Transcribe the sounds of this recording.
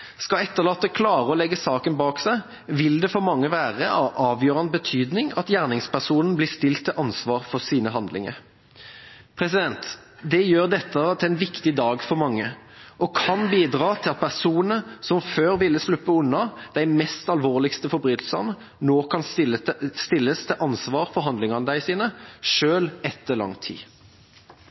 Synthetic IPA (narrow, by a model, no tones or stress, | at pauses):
skɑɛt̪ːəʁlɑːt̪ːəkʰlɑːɾəɔlɛɡːəsɑːkənbɑːksæɪ | ʋɪld̪ɛfɔʁmɑŋːəʋæːʁəʔɑʔɑːʋjøːʁənbət̪ʰyːd̪nɪŋɑt̪jæːʁnɪŋspæʁsuːnn̩blɪːst̪ɪlt̪ʰːɪʔɑnsʋɑːʁfɔʁsiːnəɦɑnd̪lɪ̰ŋə̰ʁ | pʰɾɛsɪd̪ɛnt̪ | d̪ɛjøːʁd̪ɛt̪ːət̪ʰɪlɛnʋɪkt̪ɪd̪ɑːɡfɔʁmɑŋːə | ʔɔkʰɑnbiːd̪ɾɑːt̪ʰɪlɑt̪̚pʰæʁsuːnnnəsɔmføːɾʋɪlːəslʉpːəʉnːɑd̪̥æɪmɛst̪ɑlʋoːʁlɪkst̪əfɔɾbɾyːt̪lsəʁnə | noːkʰɑn | st̪ɪlːəst̪ʰɪʔɑnsʋɑːʁfɔɦɑnd̪lɪŋɑʁnəd̪æɪsiːnəʃøːlɛt̪ʰːəlɑ̰ŋt̪ʰḭː